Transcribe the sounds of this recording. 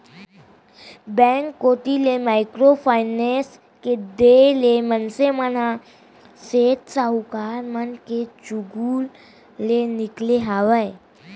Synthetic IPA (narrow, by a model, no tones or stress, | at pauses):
bɛ̃ŋkːot̪ilemaikɾofajnẽs | ked̪elemənseməna | set̪saukaɾmənket͡ɕuɡulː | enikleɦaʋəe